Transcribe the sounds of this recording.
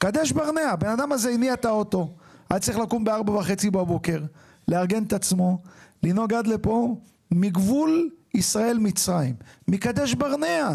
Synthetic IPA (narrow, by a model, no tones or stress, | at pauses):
kad̪eʃbaʁneabe̞nad̪amazeiniat̪aot̪o̞ʔad̪tt͡saʁiχlakumbeaʁbavaχe̞t͡sibabo̞ke̞ʁ | leaʁɡe̞net̪at͡smo̞lino̞ɡad̪le̞po̞ | miɡvulisʁae̞lmit͡sʁaimːikad̪eʃbaʁne̞a